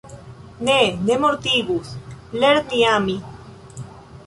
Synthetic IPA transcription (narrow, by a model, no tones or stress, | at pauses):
nenemoɾt̪iɣusleɾniami